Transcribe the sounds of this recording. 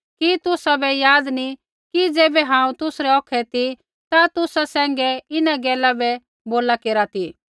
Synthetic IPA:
kit̪ʊsabɛjaːd̪ni | kid͡zeːbɛɦãːũt̪ʊsɾɛɔːkʰɛt̪i | t̪at̪ʊsasɛ̃ːŋɡɛɪnaɡɛːlabɛ | boːlakeːɾat̪iː

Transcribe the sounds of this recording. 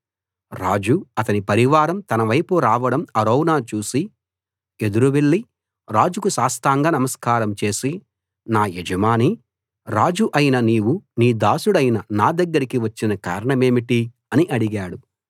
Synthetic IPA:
ɾa̰ːd͡ʒuɐt̪ɐnipɐɾiʋaːɾɐmt̪ɐnɐʋɐjpuɾaːʋɐɽɐmɐɾoːwnaːt͡ʃuːsi | e̞d̪uɾuʋe̞ɭːi | ɾaːd͡ʒukusaːst̪aːŋɡaːnɐmɐskaːɾɐmt͡ʃe̞ːsi | naːed͡ʒɐmaːni | ɾaːd͡ʒuʔɐjinɐniːwuniːd̪aːsuɽɐjinɐnaːd̪ɐɡːɐɾikiʋɐt͡ʃːinɐka̰ːɾɐɳɐme̞ːmiʈi | ɐniʔɐɽiɡaːɽu

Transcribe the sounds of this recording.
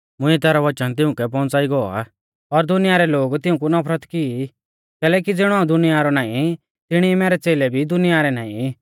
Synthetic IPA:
mʊ̃iɛt̪ɛːɾɔʋɐt͡ʃənt̪̬ɪʊ̃kɛp̬ɔ̃ːnt͡saːiɡɔɔ̰a̰ | ɔɾd̪ʊnɪjaɾɛloːɡt̪ɪʊ̃k̬unɔpʰɾət̪kii | kɛːlɛːk̬id͡zɪːɽ̃ɔ̃aːũd̪ʊnɪjaɾɔnaːĩ | t̪ɪɽ̃imɛːɾɛt͡seːlɛbʱid̪ʊnɪjaɾɛnaːḭ̃

